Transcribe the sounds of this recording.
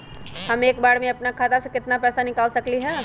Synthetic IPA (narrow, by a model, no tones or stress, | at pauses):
hɐmeːkbaːɽmẽɐpnakʰaːt̪asekɪt̪napɛːsanɪkaːlsɐkliɦɛː